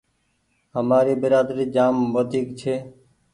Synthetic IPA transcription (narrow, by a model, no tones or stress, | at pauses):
ɦəmaːɾiːbɪɾaːd̪ɾiːd͡ʒaːmʋəd̪ʱiːkt͡ʃʰeː